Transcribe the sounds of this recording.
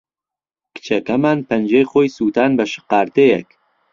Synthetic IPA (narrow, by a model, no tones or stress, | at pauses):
kɨ̥t͡ʃʰɐkɐmaːnpʰɐnd͡ʒejχoːjsut̪aːnbɐʃɨ̥qɑːɾt̪ejɛ̰k